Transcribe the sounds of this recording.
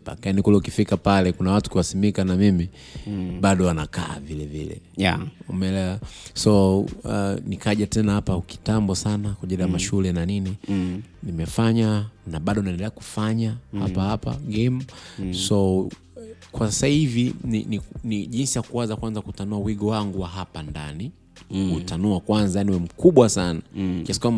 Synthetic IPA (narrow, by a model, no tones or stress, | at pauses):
pa̰kanikulɛukifikapalɛkunawatu̥kiwasimikanamimi | ɓaɗɔwanaka̰ːvilɛvḭlɛ̰umɛɛlɛwasɔ | nikaʄatɛnahapaki̥tambɔsanakwaʄiliamaʃulɛnanininimɛfaɲanaɓaɗɔnaɛndɛlɛaku̥faɲahapahapa̰ɡɛmsɔ | kwasasahivinḭniniʄinsijakuwanzakwanzakutanuawiɠɔwaŋɡuwaɦapandani | kutanuakwanzajaniwɛm̩kuɓwasanakɛsi̥kwama